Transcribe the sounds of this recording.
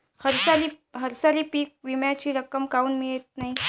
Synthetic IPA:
həɾsaliː | ɦəɾsaliːpiːk̚ʋimjat͡ɕiːɾəkəmkauːnmiɭet̪̚naɦi

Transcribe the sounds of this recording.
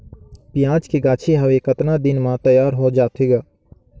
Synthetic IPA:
pɪjãːt͡ʃkeɡaːt͡ʃʰeɦəʋekət̪naːd̪ɪnmãːt̪əjaːɾɦoːd͡ʒaːt̪ʰeːɡaː

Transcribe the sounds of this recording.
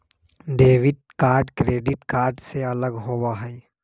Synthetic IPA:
ɖ̪eːʋɪʈ̚kaːɾɖkɾeːɖɪʈkaːɾɖseɐləɡɦowaɦɛː

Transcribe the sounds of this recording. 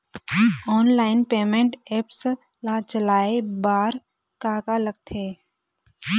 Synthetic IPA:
ɔːnlaːɪnpeːmẽɳʈeːps | lat͡ʃəlaːebaːɾ | kaːkaləɡ̚t̪ʰeː

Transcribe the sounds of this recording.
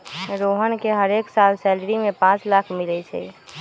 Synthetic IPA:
ɾoɦənkeɦəɾeksalsɛlɾimẽpãt͡ʃlakʰmilɛt͡ʃʰɛ̰

